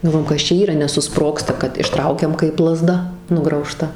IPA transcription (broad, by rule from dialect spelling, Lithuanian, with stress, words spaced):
ɡɐlˠˈʋoːjoːm ˈkɐs t͡ʃʲɛ ˈiːrɐ nʲɛsʊˈsproːkstɐ kɐt ɪʃˈtrɐʊkʲɛm kɐɪp lˠɐˈzdɐ nʊɡrɐʊˈʃtɐ